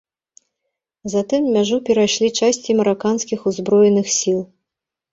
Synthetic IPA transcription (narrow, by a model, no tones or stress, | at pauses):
zat̪ɨmːʲaʐupʲɛɾajʂlʲit͡ʂasʲt͡sʲimɐɾakanskʲixuzbɾɔjɛnɨxsʲilˠ